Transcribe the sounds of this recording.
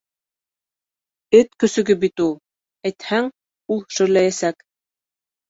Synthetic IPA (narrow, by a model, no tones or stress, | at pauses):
ɘt̪kɵ̆sɵ̆ɡɘbit̪ulˠ | æjt̪hæŋ | ulˠʃɵ̆jlæjæsæk